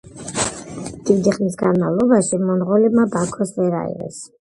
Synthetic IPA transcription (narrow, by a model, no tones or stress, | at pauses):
d̪̥id̪iχmis̬ɡanmavlˠɔbaʃimɔnʁɔlimabakʰɔsvɛɾa̰ḭʁɛ̰s